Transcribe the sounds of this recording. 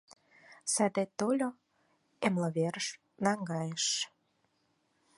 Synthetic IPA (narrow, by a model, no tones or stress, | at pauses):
sæd̪et̪olʲo | emlə̆βeɾəʃ | nɑŋɡɑjeʃ